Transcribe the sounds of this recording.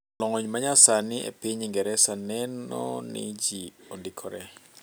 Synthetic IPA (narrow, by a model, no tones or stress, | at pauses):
lɔŋɔɲmaɲasanɪʔḛpiɲɪŋɡɛɾɛsanɛnɔ̰nɪ̰d͡ʒiɔndɪkʰɔɾɛ